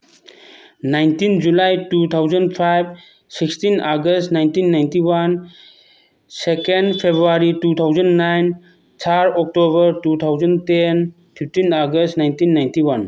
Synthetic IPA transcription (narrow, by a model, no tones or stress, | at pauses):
najntind͡ʒulajtut̪ʰawzə̃ndpʰajb̚ | sikstinaɡəstnajntinːaj̃ntiwan | sekẽnɖpʰebɾuaɾitut̪ʰawzə̃nnajn | t͡ʃʰaɾɔk̚tobəɾtut̪ʰawzə̃ntɛn | fʰiftinaɡəstnajntinːaj̃ntiwan